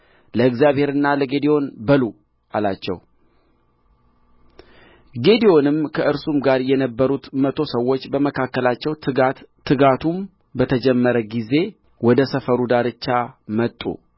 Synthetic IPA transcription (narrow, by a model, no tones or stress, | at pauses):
ləɨkzjaβhe̞ɾɨnːaləɡe̞d̪io̞nbəlu | alat͡ʃːɛ̰w | ɡe̞d̪ijo̞nɨmkʰəʔɨɾsumɡaɾjɛnəbːəɾut̪mət̪ʰo̞səwːot͡ʃːbəməkʰakːəlat͡ʃːɛw̪ | ɨɡat̪ʰum | bət̪ʰəd͡ʒɛmːəɾəɡize̞ | wɔd̪əsəfəɾud̪aɾɨt͡ʃːamət̪ʼːṵ